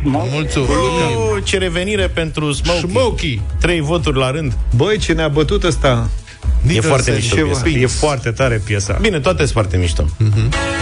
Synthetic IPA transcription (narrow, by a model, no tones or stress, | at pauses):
mult̪suumet͡ʃeɾe̞ve̞niɾe̞pe̞nt̪ɾusmowmowkʲit̪ɾe̞jvo̞t̪urʲlaɾɨnd̪bəjt͡ʃe̞neabət̪ut̪əst̪a | jefwart̪emiʃoejefoart̪e̞t̪aɾe̞pjesa̰bine̞t̪oat̪esfoart̪e̞miʃt̪o̰ɦ